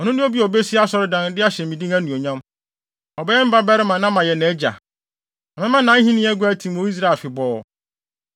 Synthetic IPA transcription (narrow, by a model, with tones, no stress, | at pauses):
ɔ˨nʊ̃˦nʊ̃˦o˦bi˦ɔ˨be˦si˦a˦sɔ˨ɾɪ˦dã˨n˦dɪ˦a˦ɕɛ˨m̩˨ĩ˨dĩ˦ŋæ˦nũ˨o˨ɲã˦m | ɔ˨bɛ˦ɛ˦m̩˦ba˦bɛ˦ɾɪ˦mã˨nã˦mã˨jɛ˨nɛ˨˦d͡ʑa̰˨ | ɔ˨mɪ̃˦mã˦nã˨˦hĩ˦nĩ˦æ˦ɡʊ˦æ˦tʰĩ˨m˨o˦i˦s̬ɾa˦˨e˨fɪ˨bɔː˨˦˨